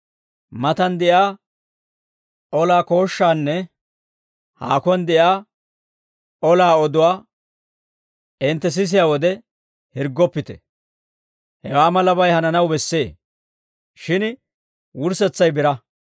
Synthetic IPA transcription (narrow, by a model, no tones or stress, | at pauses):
mɐt̪ɐnd̪ɛjaː | ʔɔlaːko̞ːʃːaːnːɛ | ha̰ːkʊnd̪ɛjaː | ɔlaːɔd̪ʊwaː | ʔɪnt̪ːɛs̬ɪs̬ɪjaːwɔd̪ɛ | hɪɾɡːɔpːɪt̪ɛ̥̰ | hɛwaːmɐlɐbɐjhɐnɐnɐwbɛsːe̞ː | ʃɪn | wʊɾsɛt͡sːɐjbɪɾɐ